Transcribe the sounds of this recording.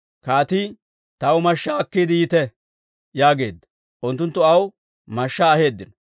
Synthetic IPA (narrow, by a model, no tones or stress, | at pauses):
kaːt̪i | t̪ɐwʊmɐʃːaɐkːiːd̪ɪjɪt̪ɛ | jaːɡe̞ːd̪ːɐ̥ | ʔʊnt̪ːʊnt̪ːʊɐw | mɐʃːaːhe̞ːd̪ːɪnɔ